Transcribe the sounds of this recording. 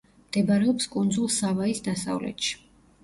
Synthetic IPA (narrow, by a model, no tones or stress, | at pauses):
md̪̥ɛbaɾɛɔpskʼund̪zulˠsavaisd̪asa̰vlɛ̰t̪ʃi̥